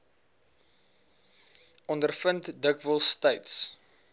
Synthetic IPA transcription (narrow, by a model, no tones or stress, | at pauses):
ʔɔndərfəntdəkvəlˠsːtəjts